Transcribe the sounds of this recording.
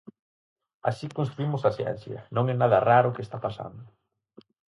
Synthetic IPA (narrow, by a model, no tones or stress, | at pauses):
a̰sikõnst̪ɾuimʊsasjɛ̰n̟θjɐ̰nõŋɛnaðɐraɾʊkest̪apasa̰nd̪ʊ